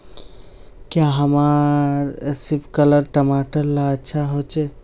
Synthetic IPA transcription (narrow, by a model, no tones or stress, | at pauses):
kjaɦəmaɾsipʰkələɾʈəmaʈəɾlaəːʃʰaɦot͡ʃɛ